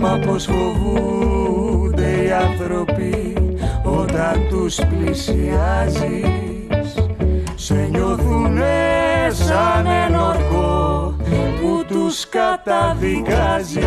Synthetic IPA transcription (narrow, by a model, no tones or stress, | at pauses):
mapɔzɣoɣuu | d̪ejat̪ɾopi | od̪ant̪usplisiazi | s | seɲoɾðunɛzanenɔɾko | ud̪uskat̪afikazi